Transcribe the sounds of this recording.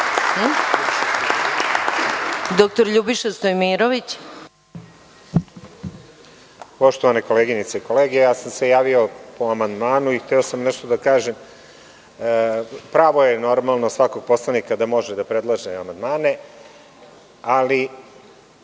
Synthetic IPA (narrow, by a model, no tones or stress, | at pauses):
d̪ok̚t̪oɾʎubiʃest̪ojmiɾoʋit͡ɕ | po̞ʃt̪oʋaneko̞leɡinit̪seiko̞leːɡe̞jaːsamse̞jaːʋio̞poamand̪maːnuixt̪ɛosamnɛʃt̪od̪akaːʒem | pɾaːʋo̞je̞no̞ɾmalˠno̞sʋako̞ɡ̚po̞slanikad̪amo̞ʒed̪apɾed̪lˠaʒeamand̪maːne̞ | ali